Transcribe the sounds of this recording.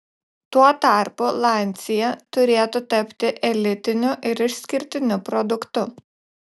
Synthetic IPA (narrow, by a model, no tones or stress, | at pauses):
t̪uɔt̪ɑˑɾpʊlˠɑˑnʲˑsʲɪjɛt̪ʊɾʲeːt̪ʊt̪ɐpʲt̪ʲɪʔɛlʲɪt̪ʲɪnʲʊʔɪɾɪʃsʲkʲɪɾʲt̪ʲɪnʲʊpɾɔd̪ʊkt̪ʊ